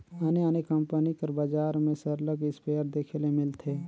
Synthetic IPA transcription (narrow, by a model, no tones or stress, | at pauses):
əneanekə̃mpənikəɾbad͡ʒaːɾmẽsəɾləɡɪspeːəɾd̪eːkʰelemɪlt̪ʰeː